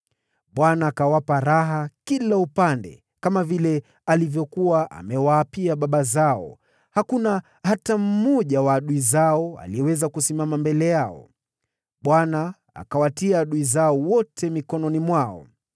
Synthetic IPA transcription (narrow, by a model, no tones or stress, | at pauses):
ɓwanaːkawapaɾaɦakilaupandɛ̰ | kamavilɛ | alivjɔkuwaʔa̰mɛwaːpiaɓaɓazaɔ̰ | hakuna | ɦatam̩mɔʄawaːɗuizaɔa̰liɛwɛzakusimamambɛlɛjaɔ̰ | ɓwana | a̰kawatiaːɗuizaɔwɔtʰɛmikɔnɔnimwaɔ̰